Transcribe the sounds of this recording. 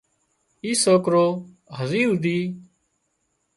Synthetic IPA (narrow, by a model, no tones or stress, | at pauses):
iːsoːkɾoː | ɦəziːld̪iː